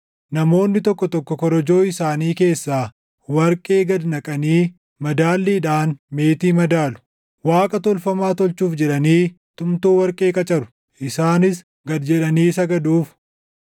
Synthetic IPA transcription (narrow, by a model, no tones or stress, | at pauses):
nɐmo̞ːnːɪt̪ɔkːɔt̪ɔkːɔkɔɾɔd͡ʒo̞ːɪsaːniːke̞ːsːaː | wɐɾkʼe̞ːɡɐd̪nɐkʼɐniː | mɐd̪aːlːiːᶑaːnme̞ːt̪iːmɐd̪aːlʊ̥ | waːkʼɐt̪ɔlfɐmaːt̪ɔlt͡ʃuːfd͡ʒɛᶑɐniː | t̪ʼʊmt̪uːwɐɾkʼe̞ːkʼɐt͡ʃʼɐɾʊ̥ | ʔɪsaːnɪs | ɡɐd̪d͡ʒɛᶑɐniːsɐɡɐd̪uːf